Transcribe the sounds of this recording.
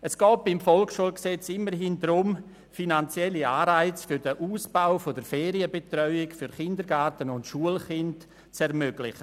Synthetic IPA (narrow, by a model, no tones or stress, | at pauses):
əsɡ̥ɔːp̚b̥ɪmfɔlkʃuəlksɛt͡sɪmːəɾɦɪndɾʊm | finant͡sjɛlːiaːɾaɪt͡sfʏɾdəʔuːsb̥aʊfodəɾfɛːɾiəbetrœʏɪkfyɾχɪndəɾɡatənʊntʃuəlχɪnt | t͡sɛɾmøɡ̥lɪχə